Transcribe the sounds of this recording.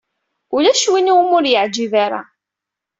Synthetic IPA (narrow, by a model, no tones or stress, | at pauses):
ʊlæʃwiniwmʊɾjəʕd͡ʒivaɾa̰